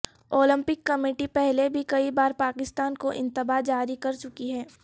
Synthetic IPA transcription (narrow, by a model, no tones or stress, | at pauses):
oːlɪ̃mpɪkːɐmɪːʈipɛɦlebʱikɐibaːɾpaːkɪst̪aːnkoʔɪ̰̃nt̪ɪbad͡ʒaːɾikɐɾt͡ʃʊkiɦɛː